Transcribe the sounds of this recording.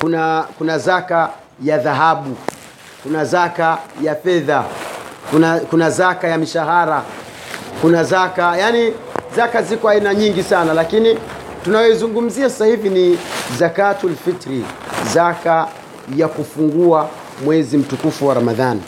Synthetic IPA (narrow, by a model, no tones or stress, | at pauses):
kunakunazaka | jaðaɦaɓu | kunazakajafɛðakunakunazakajamiʃaɦaɾa | kunazakajani | zakazikɔainaɲiŋɡisanalakini | tunajɔizuŋɡum̩ziasḁsahivinizakatulfitɾizaka | jakufuŋɡua | mwɛzim̩tukufuwaɾamaðanḭ